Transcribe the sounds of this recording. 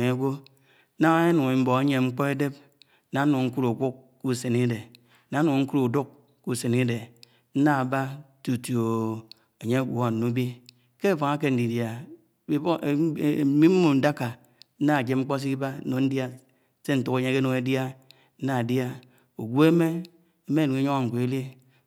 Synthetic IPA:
e˨e˦ɡʷo˦ | na˦ŋa˦e˦nu˨ŋe˨m̩˦bo˨a˦ɲe˨ŋ͡m̩˦k͡pɔ˦e˦de˦p̚ | na˨˦nu˨ŋ̩˦ku˦ɾu˨kʷu˦k | ku˦˨se˨ni˦de˨ | na˨˦nu˨ŋ̩˦ku˦ɾu˨du˦k̚ | ku˦˨se˨ni˦de˨ | n̩˦na˦a˨ba˦tu˨tjo˨ | e˨ɲe˦˨ɡʷo˨a˨nu˦bi˦ | ke˦˨fa˨ŋa˦ke˦n̩˨di˨dja˨˦˨ | mi˦m̩˦mu˨n̩˨˦da˦ka˨ | n̩˦na˦˨d͡ʒe˨˦ŋ͡m̩˦k͡po˦s̬i˦ki˦ba˦no˨n̩˦dja˦ | se˦n̩˦tu˨ke˨˦ɲe˦ke˦no˨ŋe˦dja˦ | n̩˦na˨dja˦ | o˨ɡʷu˦e˦me˦ | e˦me˦˨nu˨ŋe˦ɲo˦ŋa˦˨ŋ̩˨kʷo˨e˦li˦

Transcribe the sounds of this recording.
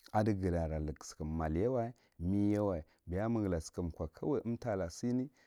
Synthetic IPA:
a˨di˦ɡə˨la˨ɾa˨lə˨kskə˨mːa˨lja˦wa˦i˦ | mi˦ja˦wa˨i˨ | bi˨ja˦mə˦˨ɡla˨skə˨m˨kʷa˨kʰa˦wa˦ə˦mta˨la˨si˦ni˦

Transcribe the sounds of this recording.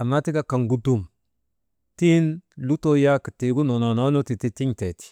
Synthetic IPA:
a˨ma˦ti˦ka˦ka˨ŋɡu˦du˨m | ti˦nlu˦to˦ja˦ki˨ti˨ɡu˦no˨no˨no˦no˦ti˨ti˦ti˦ŋte˨ti̥˨

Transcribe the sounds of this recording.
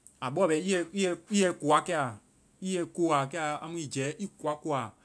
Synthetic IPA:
a˨ɓɔ˦˨bɛ˨˦i˦ɛ˧i˦jɛ˧i˦jɛ˧ku˨a˦kɛ˦˧a˨ | i˦jɛ˧ko˧˦a˨kɛ˦a˨a˧mũ˦ĩ˨d͡ʒɛː˨˦ʔi˦ku˨a˨˦ko˧a˨

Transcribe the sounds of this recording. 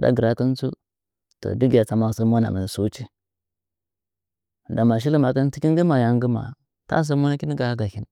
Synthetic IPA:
da̰˦ɡə˨ɾa˦kə˦n˦t͡sṵ˦ | to̰˨di˦ɡi˨ja˨t͡sa˨˦ma˦˨sə˦mo˦na̰˨mə˨su˦t͡ʃi˦˨ | da˨ma˨ʃ̬i˦li˦ma˨kə˦n˦ti˦kʲi˦n˦ɡi˦ma˨ja˨ŋ˦ɡə˦ma̰˨ | ta̰˦s̬ə˦mo˦na˦ki˦ni˦ɡa˨˦ɡa˨hi˦n

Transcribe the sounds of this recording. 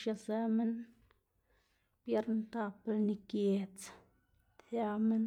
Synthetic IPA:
ʃa˧sa˦me˦n | pje˦ɾnt̪a˦˧plni˧kje˨t͡s | t̪ja˧me˦n

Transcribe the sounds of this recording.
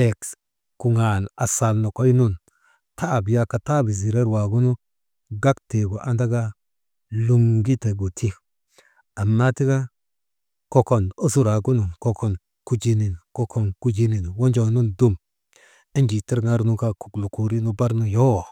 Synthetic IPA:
e˨k | ku˨ŋa˨na˨sa˨lno˨ko˦jnu˦n | ta˦˨bi˨ja˦ka˨ta˦˨bi˨zi˨ɾe˦ɾwa˨ɡu˦nu˦ | ɡa˦kte˨ɡo˨ʔa˦nda˦ɡa˦ | lu˦ŋɡi˦te˨ɡo˨tʰi˦ | a˨mːa˦ti˦ɡa˦ | ko˦ko˨no˦su˦ɾa˨ɡu˦nu˨ko˦ko˨n | ku˦d͡ʒi˦ni˨n˨ko˦kʰo˨nku˦d͡ʒi˦ni˨n˨wo˦nd͡ʒo˨nu˦ndu˦m | i˦nd͡ʒi˨ti˦ɾŋa˦ɾnu˦ka˦ku̥˨klu˨ku˨ɾi˦nu˦ba˦ɾnu˦jo˦˨

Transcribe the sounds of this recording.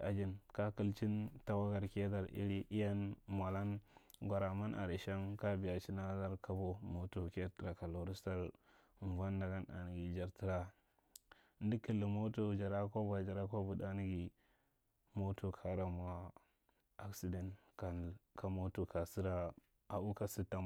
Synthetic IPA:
a˨d͡ʒi˦nka˦ki˦lt͡ʃi˦nta˦wa˦ɡa˨ɾke˦ta˨ɾʔḭ˦ɾi˦ʔi˦ja˦nma˨la˦nɡʷa˨ɾa˨ma˦nʔa̰˨ɾi˨ʃa˦nka˦bi˨ja˨t͡ʃi˦na˦za˦ɾka˦bo˦mo˦tu˦˨ke˦ti˨ɾa˨ka˨lo˨ɾi˦sta˦ɾ | n˨va˦nda˨ɡa˦na̰˨n˨ɡi˨d͡ʒa˨ɾti˦ɾa˨˦ | n˦di˦ki˨lːi˨mo˦to˦˨d͡ʒa˨ɾa˦ko˦ba˨d͡ʒa˨ɾa˦ko˦bu˨da˦n˦ɡi˨ | mo˦tʰu˨kʰa˨˦ɾa˨m˨a˦ | a˦ksi˦de˨nka˨kʰa˨mo˦tu˦ka˨si˦ɾa˨ | a˨u˦ka˦si˦tːa˨

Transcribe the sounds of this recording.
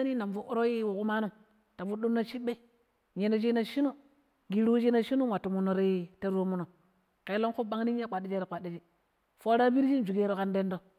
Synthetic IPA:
ni˦na˨mfu˦ʔo˦ɾo˦ji˦wo˨ku˦ma˦no˦ | ta˨vu˦ɗu˦m˦na˦t͡ʃi˦ɓe˦ | ɲe˨no˨d͡ʒi˦na˨ʃi˦no˦ | ɡi˨ɾu˦d͡ʒi˦na˦ʃi˦nu˦wa˨tːu˨mu˨no˨ɾi˦te˦ɾo˦mu˦no˨ | ke˨˦lo˦ku˦ba˦ŋni˦a˦k͡pʷa˨di˦d͡ʒe˦ɾe˨k͡pa˨dːi˨d͡ʒi˦ | fo˦ɾa˦bi˦ɾd͡ʒi˦n˦d͡ʒu˨ɡe˦ɾo˦ka˦nde˦ndo˦

